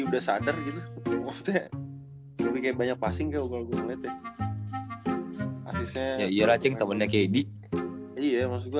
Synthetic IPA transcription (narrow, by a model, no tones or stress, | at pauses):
udasadarɡit̪umast̪ɛa | mubikajabaɲak̚pasɪŋkajuɡalɡulɛt̪a | a̰sɪsajaijaɾat͡ʃɛŋt̪amanɲakedi | ijamas̬uɡua